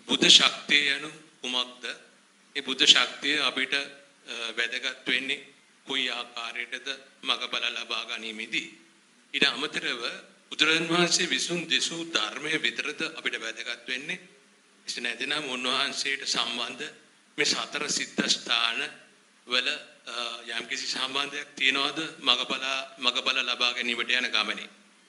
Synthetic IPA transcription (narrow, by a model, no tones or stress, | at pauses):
bud̪ʱːəʃak̚t̪ijəjanu | umak̚d̪ə | eːbud̪ʱːəʃak̚t̪ijəapiʈə | ʋæd̪əɡat̪ʋenːe | koiaːkaːɾejʈət̪əmaɡəpalalabaːɡaniːmed̪i | iːʈəamət̪iɾəʋə | bud̪uɾɐɐnʋɐɦansejəʋisund̪esud̪ʱarməjəʋit̪əɾət̪əʔapiʈəʋæd̪əɡat̪ʋenːe | isenɛt̪inamunʋɐɦansejəʈəsamband̪ʱə | meːsat̪əɾəsid̪ʱːəst̪ʰaːnə | ʋələjɛmkisisamband̪əjak̚t̪ijənəʋad̪əmaɡəpalamaɡəpalalabaːɡɛniːməʈəjanəɡaməne